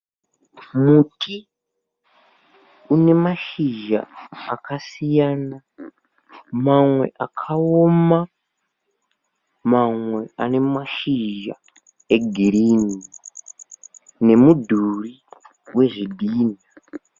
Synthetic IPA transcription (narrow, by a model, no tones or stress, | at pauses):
mutʰi | une̞maʃiʒa̰ːkʰasijaːna | mamwe̞̰ʔakʰaoma | mamwe̞ane̞maʃiʒa̰ | e̞ɡʱiɾiːni | ne̞mudʱuri | we̞ʐidʱiːna